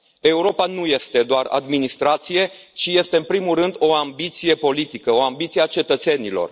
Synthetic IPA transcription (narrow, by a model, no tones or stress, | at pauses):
e̞uɾo̞panuje̞st̪e̞d̪oara̰d̪minist̪ɾat̪sije̞ | t͡ʃije̞st̪e̞ɨnpɾimulrɨnd̪o̞ambit̪sije̞po̞lit̪ikəo̞ambit̪sieat͡ʃe̞t̪ət̪se̞nilo̞̰r